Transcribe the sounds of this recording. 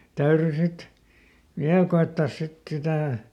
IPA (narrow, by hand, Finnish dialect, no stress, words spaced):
tæyry sit ʋiæl koetːɑːs sit sitæˑ